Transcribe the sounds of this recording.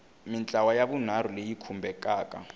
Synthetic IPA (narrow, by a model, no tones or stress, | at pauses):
mɪnt͡ɬʼawajabun̤aɾulejikʰumbɛkʼaːkʼa̰